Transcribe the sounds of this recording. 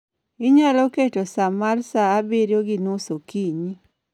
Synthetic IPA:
ɪɲaloketosamaɾsaːbeɾjoɡɪnusokiɲi

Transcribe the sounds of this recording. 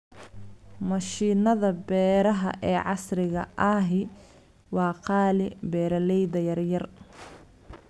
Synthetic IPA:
mɐʃiːnɐðɐbɛːɾɐɦɐ̰ʔɛːʕɑsrɪɣɐʔɐːɦɪ | wɑːqɑːlɪbɛːɾɐlɛjðɐjɐrjɐr

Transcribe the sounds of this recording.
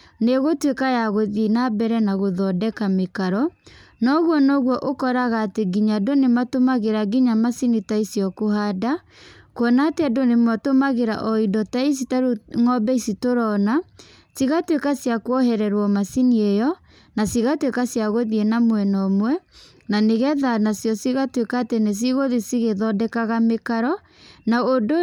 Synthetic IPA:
neɣotwekajaɣoðenabɛɾɛnaɣoðɔdɛkamekaɾɔnɔɣwɔnɔɣwɔʔokɔɾaɣaːteɡiɲadonematomaɣeɾaɡiɲamasinitaisjɔkoɦada | kwɔnateadonematomaɣeɾa̰ʔɔidɔtais̬itaɾoŋɔbɛisitoɾɔna | siɣatwekasjakwɔhɛɾɛɾwɔmasiniejɔ | nasiɣatwekasjaɣoðienamwɛnɔmwɛ | naneɣɛðanasjɔsiɣatwekaːtenes̬iɣoðisiɣeðɔdɛkaɣamekaɾɔ | naodo

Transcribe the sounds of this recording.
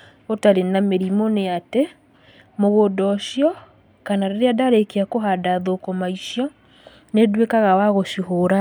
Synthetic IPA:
otaɾenameɾimoneate | moɣodɔʃjɔ | kanaɾeɾeadaɾekeakoɦadaðokɔmaiʃjɔ | nedwekaɣawaɣoʃuɦoɾa

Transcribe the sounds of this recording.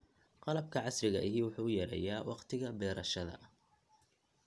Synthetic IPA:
qɑlɐb̚kʰɐʕɑsrɪɣɐʔɪɦiːwʊħuːʊjɐɾɛ̰ːjaːwɑqt̪ʰɪɣɐbɛːɾɐʃɐðɐ̰

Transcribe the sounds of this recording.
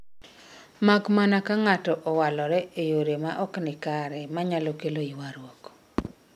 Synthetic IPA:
makmanakaŋatɔʔɔwalɔɾɛejoɾemaʔɔknɪkaɾɛmaɲalɔkeloiwaɾwɔk

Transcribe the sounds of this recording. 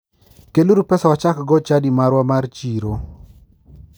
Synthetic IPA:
keluɾupɛsawat͡ʃakɡɔt͡ʃadimaɾwamart͡ʃiɾo

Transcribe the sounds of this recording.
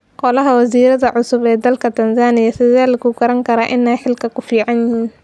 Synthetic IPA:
qɔlɐɦɐwɐsiːɾɐðɐʕʊsʊbɛːd̪ɐlkʰɐt̪ʰɐnzaːnɪjɐsɪðaːlɐkuɡɐɾɐŋkʰɐɾaːʔɪnɛjħɪlkʰɐkʰʊfiːʕɑnjɪhiːn

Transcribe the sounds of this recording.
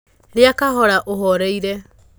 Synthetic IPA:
ɾeakaɦɔɾaʔoɦɔɾejɾe

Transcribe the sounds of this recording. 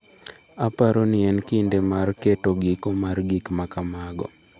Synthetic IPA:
apaɾonɪɛnkɪndemarketoɡikomarɡikmakamaɡɔ̰

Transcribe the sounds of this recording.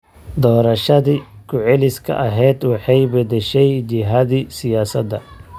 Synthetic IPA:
d̪ɔːɾɐʃɐðikʰʊʕɛlɪskʰɐ̰ʔɐɦɛjd̪wɑħɑjbɐd̪ɛʃɛjt͡ʃɪɦɐðisɪjaːsɐd̪ɐ

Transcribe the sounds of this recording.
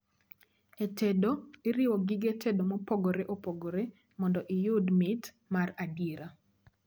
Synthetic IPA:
etɛdoeɾɪwɔɡɪɡetʰedomopoɡoɾeʔopoɡoɾe | mɔndɔʔɪjodmɪt | maradjeɾa

